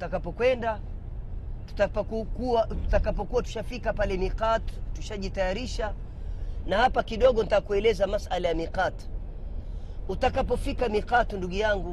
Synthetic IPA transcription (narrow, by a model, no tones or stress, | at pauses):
utakapɔkwɛnda | tu̥tapkukuatu̥takapɔkuwatu̥ʃafikapalɛmiqattuʃaʄitajaɾiʃa | nahapakiɗɔɠɔnitakuɛlɛzamasʔalajamiqat | utakapɔfikamiqatnduɠujaŋɡu